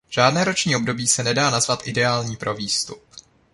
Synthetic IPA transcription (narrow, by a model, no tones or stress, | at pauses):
ʒ̥aːdnɛːɾo̞t͡ʃɲiːo̞bdo̞biːsɛnɛdaːnazvat̪ʔɪdɛaːlɲiːpɾʔo̞viːst̪up